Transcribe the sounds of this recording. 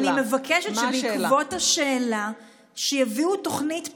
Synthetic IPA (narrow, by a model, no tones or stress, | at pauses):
nimevakeʃetʃveikːvvo̞taʃeːla | ʃejaviuto̞χnit